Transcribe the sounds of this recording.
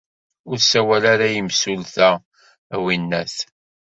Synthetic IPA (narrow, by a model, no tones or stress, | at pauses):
ʊɾsæwælaɾajəmsulθæ | winːæθ